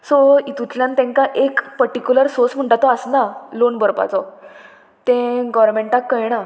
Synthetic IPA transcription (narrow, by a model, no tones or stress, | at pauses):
soit̪ut̪ljãnt̪ẽŋkaʔekpəɾʈikʲjuləɾsosm̤əɳʈat̪ɔəsnalonbəɾpa̰t͡sɔ | t̪ẽɡɔʋɾmeɳʈakːəjɽ̃a